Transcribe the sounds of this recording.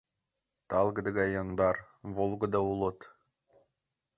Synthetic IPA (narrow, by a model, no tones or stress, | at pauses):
t̪ɑlˠɡɤ̆d̪ɤ̆ɡɑjond̪ɑr | βolˠɡɤ̆d̪ɑulˠɤ̆t̪